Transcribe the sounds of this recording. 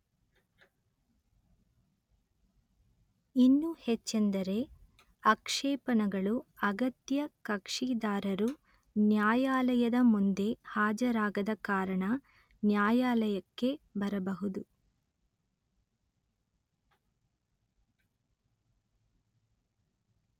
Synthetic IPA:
inːuhet͡ʃːend̪ɐɾe̞ | ɐkʂɛːpɐnɐɡɐɭuɐɡɐt̪jɐkɐkʂiːd̪aːɾɐɾu | njaːjaːlɐjɐd̪ɐmund̪e̞haːd͡ʒɐɾaːɡɐd̪ɐkaːɾɐɳɐ | njaːjaːlɐjɐkːe̞bɐɾɐbɐɦud̪u

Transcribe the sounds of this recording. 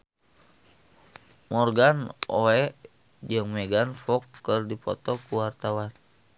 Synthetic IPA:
mɔrɡanɔ̰ɛʔ | d͡ʒɨŋmɛɡanfɔkːɨrdipɔt̪ɔkuwart̪awan

